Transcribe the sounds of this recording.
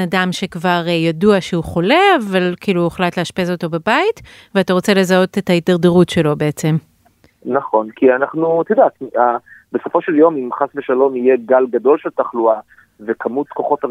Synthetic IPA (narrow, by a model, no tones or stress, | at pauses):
nadamʃe̞kvaʁjaduaʃeuχo̞le̞avalkiːlueχlatleaʃpezo̞to̞babait | veataʁo̞t͡sele̞zao̞tetaitaʁdeʁutʃe̞lo̞beet͡se̞m | naχo̞nkʰianaχnut̪id̪at̪abeso̞fo̞ʃeljo̞mimχasveʃalo̞mijeɡalɡado̞lʃeltaχlua | vekʰamut̪ko̞χo̞t̪a